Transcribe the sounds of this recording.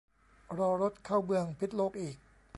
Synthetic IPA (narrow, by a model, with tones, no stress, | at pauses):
ɾɔː˧ɾo˦˥t̪̚kʰaː˥˩wmɯ˧əŋpʰi˦˥t̪̚loː˥˩k̚ʔiː˨˩k̚